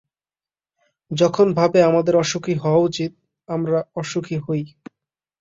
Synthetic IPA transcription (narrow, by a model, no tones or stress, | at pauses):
d͡ʑɔkʰonbʱabeamad̪eɾɔʃokʰiɦɔwaut͡ɕit̪̚ | amɾaɔʃokʰiɦoj